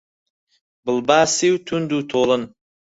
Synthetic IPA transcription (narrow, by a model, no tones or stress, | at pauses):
bəlˠbaːsiwt̪ʰʊnd̪ut̪ʰolən